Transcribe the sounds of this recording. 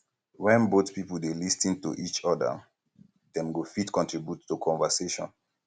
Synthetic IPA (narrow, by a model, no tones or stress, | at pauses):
wɛ̃nboθpipəl̩delistĩntṵʔit͡ʃɔdə̰ | dɛ̃mɡofitkɔ̃ntɹibjutːukʰɔ̃ɱvəseʃɔ̰̃n